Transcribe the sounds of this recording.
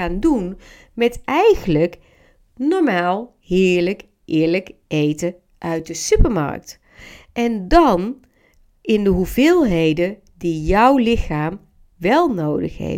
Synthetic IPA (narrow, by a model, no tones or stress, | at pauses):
aːndun | mɛtɛjɣənlək | nɔɹmaːlˠ | hɪːɹlək | ʔɪːɹləkʔejtə | ʔœɥt̚dəsypəɹmɑ̰ɹk̚t | ʔɛndɑn | ʔɪndəɦuvɪːlˠɦejdə | dijɔwlɪxaːm | ʋɛlˠnowdə̰χhḛ